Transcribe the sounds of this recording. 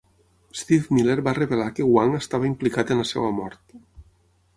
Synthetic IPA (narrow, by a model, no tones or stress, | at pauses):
st̪ifmileɾβareβelakewaŋəst̪aβəimplikat̪enləsɛ̰wamɔ̰ɾt̪